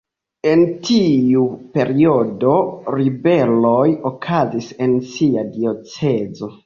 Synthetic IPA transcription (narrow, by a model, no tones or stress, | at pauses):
e̞ntʰiupe̞ɾio̞do̞ɾibe̞lo̞jokʰazise̞nsiadio̞t͡se̞zo̞